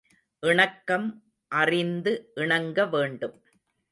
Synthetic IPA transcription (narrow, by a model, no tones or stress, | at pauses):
ʔɪɳɐkːɐm | ʔɐrɪnd̪ɯʔɪɳɐŋɡɐʋeːɳɖɯm